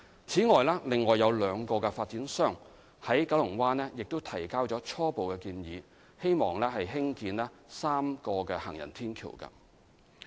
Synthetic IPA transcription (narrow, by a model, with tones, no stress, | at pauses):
t͡sʰiː˨˥ŋɔː˨jlɛː˥lɪ˨ŋːɔː˨˩jːɐ˨˧wlœː˨˧ŋkɔː˧kɛ˧faː˧t̚t͡siː˨˥nsœː˥˩ŋ | hɐ˨˥jkɐ˨˥wlʊ˨˩ŋwaː˥nɛː˥jɪ˨k̚t̪o˥wt̪ʰɐ˨˩jkaː˥wt͡sɔː˨˥t͡ʃʰɔː˥po˨wkɛ˧kiː˧njiː˨˧˦ | he˥jmɔː˨˩ŋlɛː˥ɦɐ˨jɦɪ˥ŋkiː˧nlɛː˥ | saː˥mkɔː˧kɛː˧hɐ̰˨˩ŋjɐ̰˨˩nt̪ʰiː˥nkʰḭ˨˩wkɐ̰˧